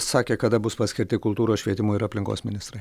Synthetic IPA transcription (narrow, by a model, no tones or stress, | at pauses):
sɑːkʲeːkɐd̪ɐbʊspɐsʲkʲɪɾʲt̪ʲɪkʊlˠt̪uːɾoːsʃʲʋʲiɛt̪ʲɪmuɪɾɐpʲlʲɪŋko̰ːsmʲɪnʲɪst̪ɾɐɪ